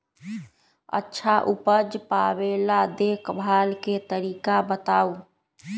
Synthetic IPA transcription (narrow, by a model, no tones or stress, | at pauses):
ə̰tːʃʰaʔupəd͡ʒpabelad̪ekbʱaːlket̪əɾiːkabət̪aːu